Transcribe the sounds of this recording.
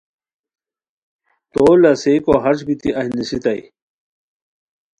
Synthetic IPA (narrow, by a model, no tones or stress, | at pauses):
t̪oːlɐsekoɦɐʂbit̪iʔɐhnisit̪ɐj